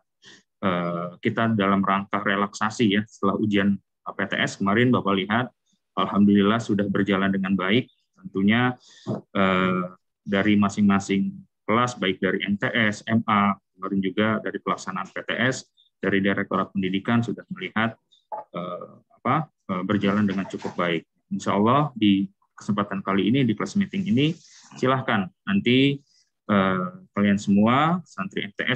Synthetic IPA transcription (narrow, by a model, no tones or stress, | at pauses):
ʔəːkit̪adalamɾaŋkahrelaksasijasə̥t̪əlahud͡ʒian | pet̪ḛʔɛskəmaɾɪnbawaliɦat̪̚ | ʔalɦamdulilahsudahbərd͡ʒalandəŋanbaɪk̚ | t̪ənt̪uɲa | ʔəː | daɾimasɪŋmasɪŋ | kəlasbaɪk̚daɾiʔɛnt̪eʔɛsɛmakəmaɾɪnd͡ʒuɡadaɾipəlaksanaanpet̪eʔɛs | daɾidiɾɛk̚t̪oɾat̪̚pəndidikansudahməlihat̪̚ | əapa | əbərd͡ʒalandəŋant͡ʃukʊp̚baɪk̚ | ɪnʃaɔlːɑhdi | kə̥səmpat̪ankaliːnidikəlasmit̪ɪŋini | silahkanːant̪i | ʔəkaliansəmuasant̪ɾiɛnt̪eʔɛ